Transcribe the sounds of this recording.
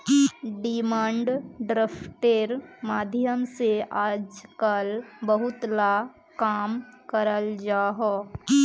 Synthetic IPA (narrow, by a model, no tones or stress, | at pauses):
ɖɪmãːɳɖɖɾaːpʰʈeɾmaːd̪ʱjəmseʔaːd͡ʒkəlbəɦʊt̪la | kaːmkəɾəld͡ʒaːɦoː